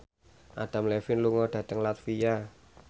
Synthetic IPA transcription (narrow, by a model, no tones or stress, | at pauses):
ʔa̰d̪̥a̤mlɛfɪnluŋɔd̪̥ä̤t̪əŋlat̪fija